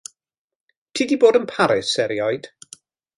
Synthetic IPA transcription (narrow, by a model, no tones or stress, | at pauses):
tʰiːdiboːdənpʰaɾɪsɛɾjɔjd̥